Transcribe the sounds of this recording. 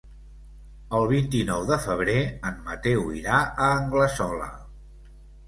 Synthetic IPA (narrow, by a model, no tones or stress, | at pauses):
əlˠβ̞int̪inɔwðəfəβ̞ɾeəmmət̪ewḭɾaəːŋɡləsɔlə̰